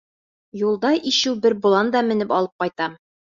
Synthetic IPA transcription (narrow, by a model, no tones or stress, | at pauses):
julˠd̪ɑʔiɕɘwbɘɾbŭlˠɑnd̪ɑmɘ̆nɘpɒlˠɤp̚qɒjt̪ɑm